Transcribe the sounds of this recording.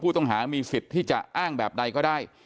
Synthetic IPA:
uː˥˩t̪ɔ˥˩ŋɦaː˩˦miː˧fi˨˩t̪ʰːiː˥˩t͡ɕa˨˩ʔaː˥˩ŋbɛː˨˩p̚da˧jkɔː˥˩daː˥˩j

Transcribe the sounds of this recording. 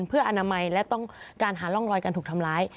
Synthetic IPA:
npʰɯ˥˩ɐʔa˧naː˧ma˧jlɛ˦˥wt̪ɔ˥˩ŋkaː˧nɦaː˩˦lɔ˥˩ŋlɔː˧jka˧nt̪ʰːk̚t̪ʰa˧mlaː˦˥j

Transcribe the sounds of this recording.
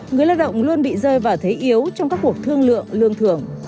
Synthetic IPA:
ŋɨ˨˩əjlaː˧wɗə̰˧˨wŋ͡mlu˧ənɓḭ˧˨zəː˧jvaː˨˩wt̪ʰe˨˦ʔi˨˦əwt͡ɕɔ˧wŋ͡mkaː˦˥k̚ːu˨˩ək̚t̪ʰɨ˧əŋlɨ̰˧˨əŋlɨ̰˧əŋt̪ʰɨ˨˩əŋ

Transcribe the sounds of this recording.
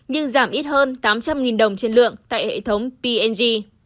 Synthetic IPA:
ɲɨ˧ŋzaː˧˩mʔi˦˥t̚həː˧nt̪aː˨˦mt͡ɕa˧mŋi˨˩nɗə˨˩wŋ͡mt͡ɕe˧nlɨ̰˧˨əŋt̪a̰ː˧˨jhḛ˧˨t̪ʰə˨˦wŋ͡mpi˧ʔɛ˧nzi˧

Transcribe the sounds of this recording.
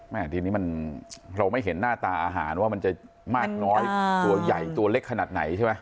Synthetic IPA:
ʔɛ˧˩t̪ʰiː˧niː˦˥ma˧nɾa˧wma˥˩jɦe˩˦nːaː˥˩t̪aː˧ʔaː˧ɦa̰ː˩˦nwaː˥˩ma˧nt͡ɕa˨˩ | maː˥˩k̚nɔː˦˥jt̪u˧ɐja˨˩jt̪u˧ɐle˦˥kʰːa˧naː˨˩t̪̚na̰˩˦jt͡ɕʰa˥˩ma˦˥j

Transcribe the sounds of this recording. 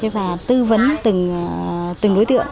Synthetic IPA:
e˨˦laː˨˩t̪ɨ˧və˨˦nt̪ɨ˨˩ŋ˨t̪ɨ˨˩ŋɗo˨˦jt̪ɨ̰˧˨əŋ

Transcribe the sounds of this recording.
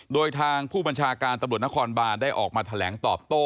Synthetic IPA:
doː˧jt̪ʰaː˧ŋpʰuː˥˩ba˧nt͡ɕʰaː˧kaː˧nt̪a˧mɾu˨˩t̪̚na˥kʰɔː˧nbaː˧ndaː˥˩jʔɔː˨˩k̚maː˧t̪ʰa˧lɛ̰ː˩˦ŋt̪ɔː˨˩p̚t̪oː˥˩

